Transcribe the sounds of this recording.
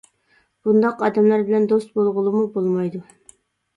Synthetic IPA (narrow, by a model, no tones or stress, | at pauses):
b̥und̪ɑqɑd̪ɛmlˠɑɾbɪlænd̪ost̪̚bolˠʁəlˠumubolˠmɑjd̪u